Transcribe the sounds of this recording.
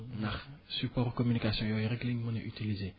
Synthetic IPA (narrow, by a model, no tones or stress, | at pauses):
naχsypɔʁkɔmynikasjɔ̃jɔeʁeɡliŋmə̃neʔyt̪ilize